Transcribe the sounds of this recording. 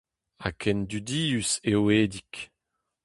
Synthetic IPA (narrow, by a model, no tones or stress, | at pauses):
a̰kʰɛnd̪yd̪iːyseweːd̪ik